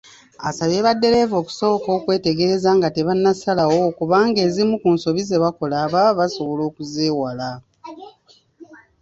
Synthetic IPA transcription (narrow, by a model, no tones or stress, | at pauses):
asaβe̞ːβadːe̞ɾe̞vo̞ːku̥so̞ːko̞ːkwe̞ːte̞ɡe̞ɾe̞zaːŋɡate̞βanːasalawo̞kuβaːŋɡe̞ːzimukunso̞βizeβako̞laːβaβaso̞βo̞lo̞ːkuzeːwala